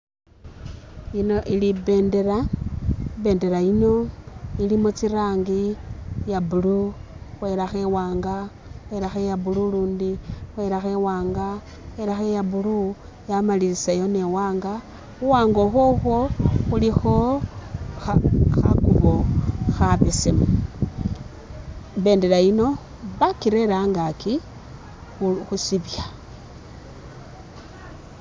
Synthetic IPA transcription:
inoʔiliβe̞ːnde̞ɾa | βe̞ːnde̞ɾaino̞ilimot͡siɾaːŋɡijaβuluxwe̞ːɾaxe̞waːŋɡa | xwe̞ɾaxejaβululuːndixwe̞ːɾaxewaːŋɡa | xweɾaxejaβulu | jamaliɾisajone̞waːŋɡa | uwaːŋɡo̞xoxoxulixo̞ | xaxa̰kuβo̞xaβesemu | βe̞ːndelaino̞ | βakiɾe̞ɾaŋɡaki | uxusiβja

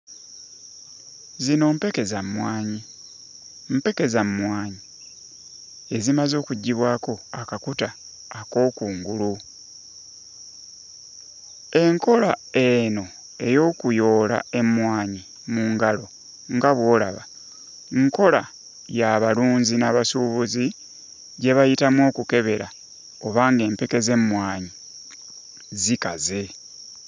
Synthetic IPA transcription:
zino̞mpekezammwaːɲi | m̩pe̞ke̞zammwaːɲi | e̞zimazo̞ːkuɟːiβwaːko̞akakutaː | ko̞ːkuːŋɡulu | e̞ŋko̞lae̞no̞ | e̞jo̞ːkujo̞ːla̰e̞mwaːɲi | muːŋɡalo̞ | ŋɡaβwo̞ːla̰βa | ŋko̞la | jaβaluːnzinaβasuβuzi | ɟe̞βajitamwo̞ːkuke̞βe̞ɾa | oβaːŋɡe̞ːmpe̞ke̞ze̞mmwaːɲi | zika̰ze̞

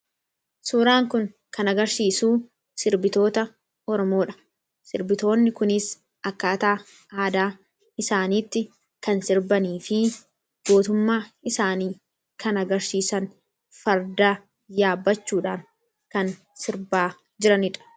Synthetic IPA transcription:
suːɾaːŋkʊŋ | kɐnɐɡɐɾsiːsuː | sɪɾbɪt̪o̞ːt̪ɐ | ɔɾɔmo̞ːᶑɐ̥ | sɪɾbɪt̪o̞ːnːɪkʊnɪs | ɐkːaːt̪aː | aːd̪aː | ɪsaːniːt̪ːɪ | kɐnsɪɾbɐniːfɪ | ɡ̥o̞ːt̪ʊmːaːɪsaːniː | kʰɐnɐɡɐɾsiːsɐŋ | fɐɾd̪aː | jaːbːɐt͡ʃːuːᶑaːŋ | kɐn | sɪɾbaː | d͡ʒɪɾɐnɪᶑɐ̥

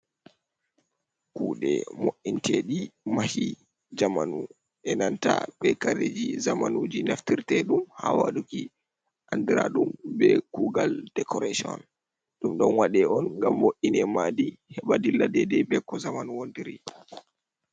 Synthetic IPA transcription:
kuːɗɛ̰moʔintʰeɗimahi | d͡ʒamanu | ʔɛnantaɓɛkaɾed͡ʒizamanud͡ʒinaftiɾtɛɗumhawaɗuki | ʔandiɾaɗumbɛkuɡald̥ɛkɔɾasiɔ̰n | ɗumɗɔnwaɗɛɔnŋɡamːoʔinɛmadihɛɓadilːadɛdɛbɛkɔzamanuwondiɾi

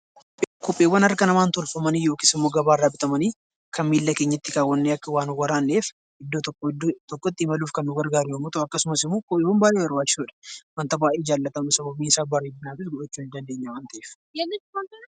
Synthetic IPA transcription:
kɔpʼːe̞ːwːɐnɐrɐkɐnɐmaːnt̪ɔlfɐmɐnijo̞ːkisɪmːo̞ːɡɐbaːrːaːbɪt̪ʼɐmɐniː | kɐnmiːlːɐke̞ːɲːɐt̪ːɪkaːwːɐnːeːɐkːɐwaːnwɐɾaːnːeːf | ɪd̪ːot̪ɔkːɔd̪t̪ɔkːɔt̪ːɪɪmɐluːfkɐnːʊɡɐɾɡaːɾʊjɐmːɔt̪ɐʔɐkːɐsʊmɐsɪmːoːkɔpʼːeːwɐnbaːɾeɐɾwaːt͡ʃːɪsuːᶑɐ̥wɐnt̪ɐbaːʔeːd͡ʒaːlːɐt̪ɐmɐsɐbɐbiːɪsaːbɐrebɪnaːfɪsɡɔʔɔt͡ʃːuːɪnd̪ɐnd̪e̞ːɲːɐwaːnt̪ɐʔeːf | jɐɡɐɐnkɐ

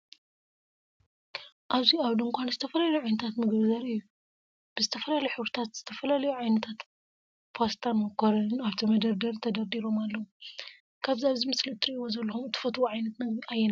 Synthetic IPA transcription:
ʔaβziaβlŋkʷʰanzɨt̪ʰɐfɐlalɐjuʕajnɐt̪ʰat̪mɨɡβzɐɾɨjːu | b̥ɨzɨt̪ʰɐfɐlalɐjħɨβɾɨt̪ʰat̪z̥ɨt̪ʰɐfɐlalɐjuʕajnɐt̪ʰat̪ | pʰost̪ʰamɐkʰoɾɐnaβt̪ʰimɐd̪ɐɾd̪ɐɾt̪ʰɐd̪ɐɾd̪iɾo̞malːɐwu | kʰaβzaβzimɨsliɨt̪ʰːɨɾiʔiwozɐlːɐxumɨt̪ʰɨ̥fɐt̪woʕajnɐt̪nɐɡiajːɛna

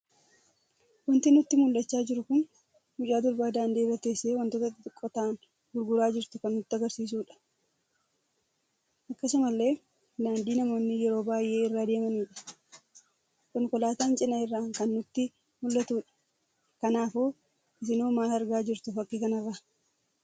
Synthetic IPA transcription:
wɐnt̪ɪnʊt̪ːɪmʊlːɐt͡ʃːaːd͡ʒɪɾʊkʊn | mʊt͡ʃʼaːd̪ʊɾbaːd̪aːnd̪eːrːɐt̪e̞ːsːeːwɐnt̪oːt̪ɐɪt̪ːɪt̪ʼʊkʼːɔt̪aːn | ɡʊɾɡʊɾaːd͡ʒɪɾt̪ʊkɐnːʊt̪ːɪɐɡɐɾsiːs̬uːᶑɐ̥ | ʔɐkːɐsʊmɐlːe̞ː | naːnd̪iːnɐmo̞ːnːɪjɛɾo̞ːbaːjʔe̞ːɪrːaːd̪e̞ːmɐniːᶑɐ̥ | kɔŋkɔlaːt̪aːnt͡ʃʼɪnɐɪrːaːŋkɐnːʊt̪ːɪ | mʊlːɐt̪uːᶑɐ̥ | kɐnaːfoː | ɪs̬ɪnoːmaːlɐɾɡaːd͡ʒɪɾt̪ʊfɐkːɪkɐnɐrːa

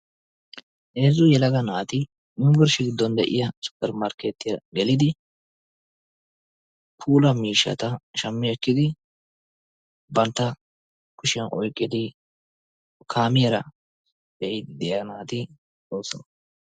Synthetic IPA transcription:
ʔeːzʊjɛlɐɡɐnaːt̪ɪ | nʊmɡɔɾʃɪɡɪd̪ːɔnd̪ɛʔɪ̰jɐsʊ̥kʼːɐɾmɐɾkːet̪ːɪjɐɡɛlɪd̪ɪ | pʰuːlɐmiːʃːɐ̰t̪ɐʃɐmːɪɛkːɪd̪ɪ | bɐnt̪ːɐ | kʊʃɪɐnʔɔjkʼːɪd̪ɪ | kʰaːmɪjɛɾɐ | d̪ɛʔɪd̪ɪd̪ɛjɐnaːt̪ɪ | t͡sʼoːsɐn

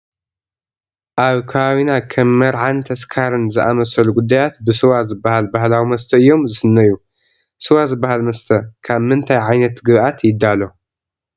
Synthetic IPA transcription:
ʔaβkʰaβawinakʰɐmːɐɾʕant̪ʰɐskʰaɾɨnzɨʔamɐsɐluɡud̪ːajat̪bɨsɨwazɨbːahalbahlawimɐst̪ʰɐɨjːo̞mzɨsɨnːɐjːu | sɨwazɨbːahalmɐst̪ʰɐkʰaβmɨnt̪ʰajʕajnɐt̪ɡɨβʔat̪jɪd̪ːalo̞

